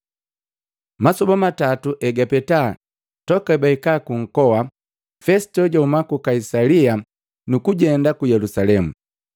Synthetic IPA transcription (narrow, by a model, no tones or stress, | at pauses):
masɔbamatatuʔɛɡapɛtaː | tɔkabaikaːkuŋ̩kɔwa | fɛstɔɟaumakukaisalia | nukuɟɛndakujɛlusalɛmu